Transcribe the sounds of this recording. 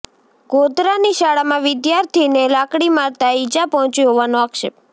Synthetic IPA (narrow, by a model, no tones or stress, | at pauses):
ɡod̪ɾaniʃaɽamãʋɪd̪jaɾt̪ʰinelakɽimaɾt̪aid͡ʒapɔɦɔ̃t͡ʃiɦɔʋanoakʃep̚